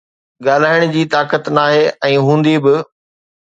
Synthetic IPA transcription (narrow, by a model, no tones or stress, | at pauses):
ɠaːl̤aːɪɽ̃ʊ̆d͡ʑiːt̪aːkət̪naːɦeʔɛ̃ːɦũːn̆d̪ibɪ